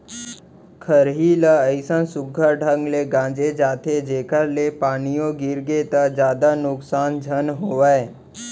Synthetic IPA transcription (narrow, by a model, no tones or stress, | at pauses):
kʰəɾɦiləəɪsə̃nsʊɡʱəɾɖʱəŋɡleɡãːd͡ʒed͡ʒaːt̪ʰed͡ʒeːkʰəɾlepaːnijõɡɪɾɡet̪əd͡ʒjaːd̪anʊksaːnd͡ʒʱənɦoːʋae